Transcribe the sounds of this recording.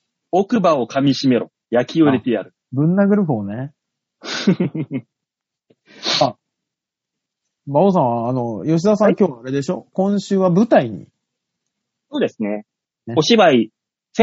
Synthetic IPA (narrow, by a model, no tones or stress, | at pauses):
okɯ̟baokʰamʲiɕime̞ɾo̞̰ | jakʲʰioɾʲet̪eja̰ɾɯ̟ | bɯ̟̃nːaɡɯ̟ɾɯ̟ɸɯone̞ | a | baos̬ãɰ̃βaːno̞jo̞ɕ̬id̪as̬ãŋkʲo̞ːβaaɾe̞d̪e̞ɕo̞kõ̞ɰ̃ɕɨːβabɯ̟t̪aiɲ̟ḭ | soːd̪e̞sɨne | eoɕibai | s